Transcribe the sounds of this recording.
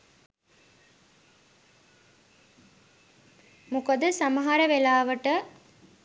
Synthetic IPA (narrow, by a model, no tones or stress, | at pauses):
mukəd̪əsaməɦaɾəʋelaːʋəʈə